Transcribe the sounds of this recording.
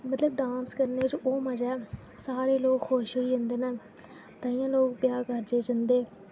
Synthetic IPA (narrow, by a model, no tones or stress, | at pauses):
mət̪ləbɖãːnskəɾneːt͡ʃʔoːməd͡ʒɛː | saːɾeːloːkxʰoːʃɦoiːɦɪ̃nd̪eːnaː | t̪ãːĩːãːloːk̚pjaːkəɾd͡ʒeːd͡ʒənd̪eː